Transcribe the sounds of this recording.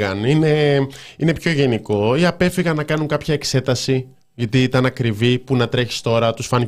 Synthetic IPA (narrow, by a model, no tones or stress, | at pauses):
ɐnine̞ine̞pço̞ʝe̞niko̞iɐpe̞fiɣɐnnɐkɐnuŋkɐpçɐekse̞t̪ɐsi | ʝɐt̪iit̪ɐnɐkɾivipunɐt̪ɾe̞çi̥st̪o̞ɾɐt̪usfɐn